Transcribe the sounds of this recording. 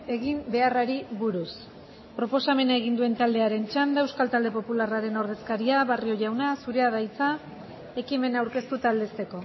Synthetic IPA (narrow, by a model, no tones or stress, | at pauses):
e̞ɣimbe̞araɾiβuɾus | pɾo̞po̞same̞naeɣ̞ind̪ue̞nt̪ald̪e̞aɾe̞nt͡ʃand̪aewskalt̪ald̪e̞po̞pularaɾe̞no̞ɾð̞e̞skaɾiaβario̞ʝawnasuɾe̞að̞ajt͡sa | e̞kime̞nawɾke̞st̪ut̪aːld̪e̞st̪e̞ko̞